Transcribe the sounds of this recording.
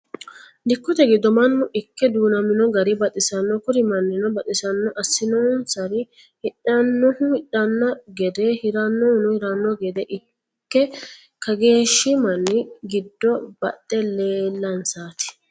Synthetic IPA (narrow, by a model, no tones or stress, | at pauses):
d̪ɪkːɔt̪ɛɡɪd̪ːɔmɐnːʊʔɪkːɛd̪uːnɐmɪnɔɡɐɾɪbɐt̪ʼɪsɐnːɔkʊɾɪmɐnːɪnɔbɐt̪ʼɪsɐnːɔʔɐsːɪnɔnsɐɾɪ | hɪᶑɐnːɔhʊɪɗːɐnːɐɡɛd̪ɛhɪɾɐnːɔnʊhɪɾɐnːɔɡɛd̪ɛʔɪ | kːɛ | kɐɡe̞ːʃːɪmɐnːɪɡɪd̪ːɔb̥ɐtʼːɛle̞ːlːɐnsaːt̪ɪ̥